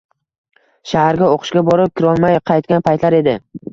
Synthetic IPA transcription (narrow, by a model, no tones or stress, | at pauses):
ʃahaɾɡʲaoqʰʊ̥ʃɡʲabɒɾɪp̚kʲʰɪɾɒlˠmajqʰɑjt̪̚kʲanpʰajt̪laɾe̞d̪ɪ